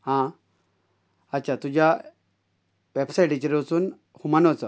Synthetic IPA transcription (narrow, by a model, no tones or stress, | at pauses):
hã | ətːɕʰat̪ud͡ʑja | ʋebsaiʈit͡ɕiɾt͡suːn | humanʋət͡sə